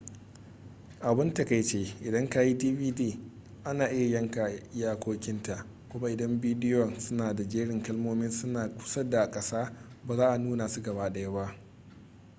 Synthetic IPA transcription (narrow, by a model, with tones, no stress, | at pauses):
ʔa˨bɪ˦nta˨ka˨jt͡ʃeː˦ʔɪ˨dɐ˦ŋka˦ji˦diː˦viː˦diː˦˨ | ʔa˦naː˨ʔɪ˦ja˨jɐ˦ŋka˨jaː˦kʷoː˦kʲɪ˦nta˨ʔ | kʷʊ˦ma˦ʔɪ˨dɐ˦mbiː˦dɪ˦jɔ˨nsʊ˦naː˨da˨d͡ʒeː˦ɽɪ˨ŋkɐ˦lmoː˦mɪ˦nsʊ˦naː˨kʷʊ̥˦sɐ˦da˨kʼɐ˦saː˦baː˨zaː˦ʔa˨nuː˦na˨su˦ɡɐ˨βaː˦ɗɐ˨ja˦ba˦ʔ